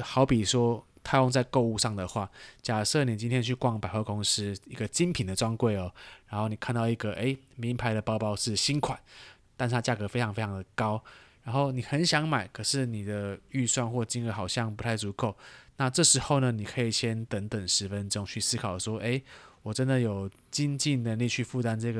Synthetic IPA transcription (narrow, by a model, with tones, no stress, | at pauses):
xɑ˧˥ʊpi˨˩ʂwɔ˦ | t̪ʰa˥˧ɪkɔ˥˧ŋt͡sa˥˧ɪko˥˧ʊu˥˧ʂɑ˥˩ŋd̪ə˩xwa˥˩t͡ɕja˨˩ʂɤ˥˩njɛ˨˩t͡ɕi˥˦nt̪ʰjɛ˥nt͡ɕʰy˥˩kwɑ˥˩ŋpa˨ɪxwa˥˧ko˥ŋs̩˦˥i˧˥ɡə˨t͡ɕi˦npʰi˨˩nd̪ə˩ʈ͡ʂwɑ˥ŋkwe˥˩ɪɔ˨˩ɻa˧˥nxo˥˩ʊni˨˩kʰa˥˧nt̪ɑ˥˩ʊi˧˥ɡə˨ʔe˥ɪmi˧˥˦npʰa˧˥ɪɾə˨pɑ˥ʊpɑ˥ʊʂɻ̩˥˩ɕi˦˥nkʰwa˨˩˦nt̪a˥˧nʂʰa˦t͡ɕja˥˩kɤ˧˥˦fe˥ɪʈ͡ʂʰɑ˧˥ŋfe˥ɪʈ͡ʂʰɑ˧ŋd̪ə˨kɑ˦ʊɻa˧˥nxo˥˩ʊni˨˩xə˧˦nɕjɑ˧˥˦ŋma˨˩˦ɪkʰɤ˨˩ʂɻ̩˥˩ni˨˩d̪ə˦y˥˧swa˥˧nxwɔ˥˩t͡ɕi˥nə˧˩xɑ˨˩ʊɕjɑ˥˩ŋpu˧˥t̪ʰa˥˩ɪt͡su˧˥kʰo˨˩ʊna˥˧ʈ͡ʂɤ˥˩ʂɻ̩˧˥xo˥˩ʊnə˩ni˨˩kʰɤ˧˥i˨˩ɕjɛ˦˥nt̪ə˧˥ŋt̪ə˨˩ŋʂɻ̩˧˥fə˦nʈ͡ʂo˦ŋt͡ɕʰy˥˩sɹ̩˥kʰɑ˨˩ʊʂwɔ˥ʔe˥ɪwɔ˨˩ʈ͡ʂə˦nd̪ə˨jo˨˩ʊ | t͡ɕi˥nt͡ɕi˥˩nnə˧˥nli˥˧t͡ɕʰy˥˧fu˥˧t̪a˥˧nʈ͡ʂɤ˥˧˩ɡə˨